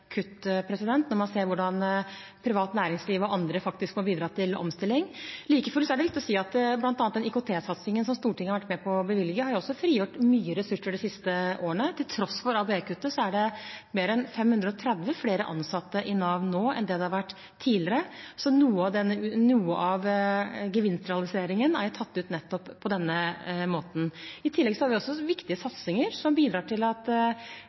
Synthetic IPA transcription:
kʰʉt̪ːpʰɾɛsɪd̪ɛnt̪nɔɾmɑnseːɾʋʊɖɑnpʰɾɪʋɑːt̪næːɾɪŋsliːʋɔʔɑnd̪ɾəfɑk̚t̪ɪskmɔbiːd̪ɾɑːt̪ʰɪlɔ̰mst̪ɪlːɪŋliːkəfɔlsɔæɖɛlɛt̪ːɔsiːɑt̪blɑnt̪ɑnt̪d̪ɛnɪkʊt̪ʰeːsɑt̪sɪŋənsɔmst̪uːʈʰɪŋəɑɾʋæʈːmɛpʰɔbəʋɪlɪɡəhɑɾjʊɔsːɔfɾiːjuʈmyːəɾɛsʉʂəɖɛsɪst̪əʔoːəɳət̪ʰɪlt̪ʰɾɔsfɔɾɑːbeːkʰʉt̪ːəsɔæɖɛmeːɾɛnfɛmhʉnd̪ɾəɔt̪ʰɾɛd̪ʋəfleːɾə̰ʔɑ̰nsɑt̪ːəʔɪnɑːʋnːoːɛ̰nd̪ɛd̪ɛhɑɾʋæʈː | t̪ʰːiːlɪəɾəsɔnuːəɑʋd̪ɛnːənuːəʔɑʋɡəʋɪnst̪ɾɛɑlɪseːɾɪŋənæɾt̪ʰɑt̪ːʉːt̪nɛt̪ːɔpʰːɔd̪ɛnːəmoːt̪n̩ɪt̪ʰɪlːɛɡsɔhɑɾʋɪɔsːɔʋɪkt̪ɪəsɑt̪sɪŋəɾsɔmbiːd̪ɾɑːʈʰɪlɑt̪

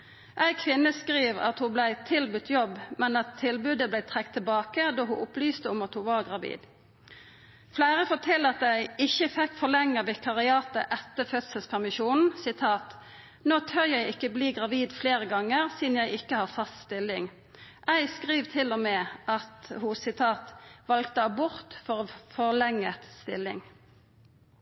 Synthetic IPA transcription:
ʔæɪkʰʋɪnːəskʁiːʋɑ̰t̪hublæɪt̪ʰɪlbʉt̪ʰjɔbːmɛnɑt̪ʰːɪlbʉd̪əblæɪt̪ʰʁɛk̚t̪ʰːɪbɑːkəd̪oːɦʊʔʊplyːst̪əʊmɑt̪hʊʋɑʁɡʁɑʋḭːd̪ | flæːʁəfoːt̪ʰɪlːɑt̪æɪɪçəfɛkːfɔʁlɛŋːəʋɪkʰɑʁɪɑːt̪ə̰ʔɛt̪ːəfœt̪səlspʰæʁmɪʃuːnn̩sɪt̪ʰɑːt̪ | noːt̪ʰœʁjæɪɪkːəbliːɡʁɑʋiːd̪fleːʁəɡɑŋəʁsiːd̪n̩jæɪɪkːəhɑːʁfɑst̪st̪ɪlɪŋ | ʔæɪskʁiːʋt̪ʰɪlɔmeːʔɑt̪hʊsɪt̪ʰɑːt̪ʋɑlkt̪əɑbʊʁt̪fɔʁoːfɔʁlɛŋːəst̪ɪlɪ̰ŋ

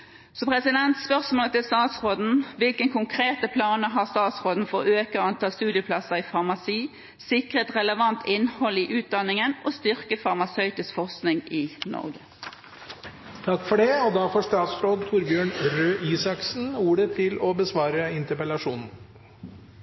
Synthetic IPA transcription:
sɔmpʰʁɛsɪd̪ɛnt̪spœʁsmoːlət̪ɪlst̪ɑːt̪sʁoːd̪n̩ʋɪlkənkʰʊŋkʰʁeːt̪əpʰlɑːnəɦɑːʁst̪ɑːt̪sʁoːd̪n̩fɔʁøːkəɑnt̪ʰɑːst̪ʉːd̪jəpʰlɑsəʁɪfɑʁmɑsiː | sɪkʁət̪ʁɛləʋɑnt̪ʰɪnːhɔlːɪʔʉːt̪̚d̪ɑnːɪŋənʔɔst̪ʏʁkəfɑʁmɑsœʏt̪ɪsfɔʁsknɪŋɪnɔ̰ʁɡə | t̪ʰɑkːfɔɖɛɔd̪ɑfɔʂt̪ɑːt̪sɾoːd̪t̪ʰuɾbjøːɳɾøːʔiːsɑksn̩uːɖət̪ʰɪlɔbəsʋɑːɾəɪnt̪əɾpəlɑʂuːnn̩

